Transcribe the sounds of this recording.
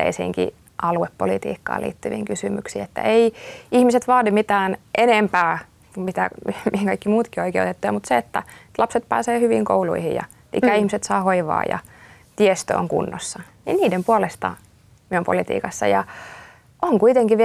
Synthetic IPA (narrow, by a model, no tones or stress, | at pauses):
ḛisḭːŋkḭ | ʔɑluepːolit̪ḭːkːɑ̰ːlḭːt̪ːyʋḭŋkysymyksiːet̪ːæ̰eiihmiset̪ʋɑːdimit̪æːnʔenempæː | kumit̪æmimihiŋkɑikːimuːt̪kioikḛˑut̪et̪ːujɑmut̪seet̪ːæet̪lɑpset̪̚pæ̰ːseːhyʋḭŋko̰ulṵihḭjjɑ̰ | lḭkːæihmiset̪sɑːhoiʋɑ̰ːjɑ̰ | t̪iest̪ø̰ːŋkṵnːosːɑ | nḭnniːdempuolest̪ɑ̰ | miumpo̰lit̪ḭːkɑsːɑjɑ | ʔoŋkuit̪eŋkiʋ